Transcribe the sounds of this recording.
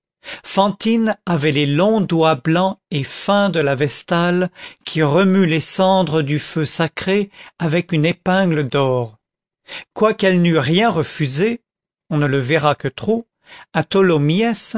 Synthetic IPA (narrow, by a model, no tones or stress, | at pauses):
fɑ̃t̪inavɛlelɔ̃d̪wablɑ̃efɛ̃d̪əlavɛst̪alkʲʰiʁəmylesɑ̃d̪ʁəd̪yføsakχeavɛkynepɛ̃ɡləd̪ɔʁ | kwakɛlnyʁjɛ̃ʁəfyze | ɔ̃nələvɛʁakət̪χo | at̪ɔlomjɛs